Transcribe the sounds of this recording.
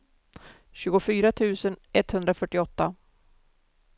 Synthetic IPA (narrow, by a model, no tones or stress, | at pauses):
ɕʉ̟ːɡʊfyːɾat̪ʰʉ̟ːsənʔɛt̪ːhɵnd̪ɾafœʈːɪɔt̪ːa